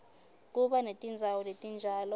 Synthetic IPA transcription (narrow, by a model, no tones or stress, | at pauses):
k̬uɓanetʼind͡zʱawɔletʼind͡ʒʱaːlɔ